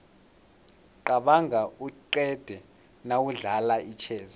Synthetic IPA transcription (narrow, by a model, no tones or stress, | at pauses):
ǃaɓaŋʱauǃɛd̥ʱɛ | nawuɮalait͡ʃʰɛːza